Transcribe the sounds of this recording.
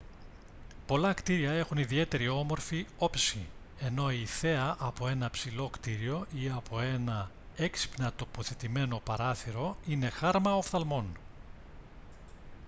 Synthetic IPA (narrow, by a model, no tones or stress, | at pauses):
po̞lɐkt̪iɾiɐe̞xuniðie̞t̪e̞ɾiomo̞ɾfio̞psi | e̞no̞iθe̞ɐʔɐpo̞e̞nɐpsilo̞kt̪iɾio̞ʔiɐpʰo̞e̞nɐ | eksi̥pnɐt̪o̞po̞θet̪ime̞no̞pɐɾɐθiɾo̞ine̞xɐɾmɐofθɐlmo̞n